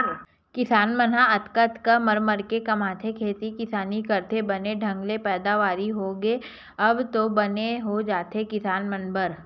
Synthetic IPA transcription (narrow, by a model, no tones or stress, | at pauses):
kɪsaːnmənaɐt̪kət̪kaməɾməɾkekɐmaːt̪ʰekʰeːt̪ikɪsaːnikɐɾt̪ʰebɐneɖʱɐ̃ŋɡlepɛːd̪aʋaːɾiɦoɡeː | ɐbt̪obɐneɦod͡ʒaːt̪ekɪsaːnmənbəɾ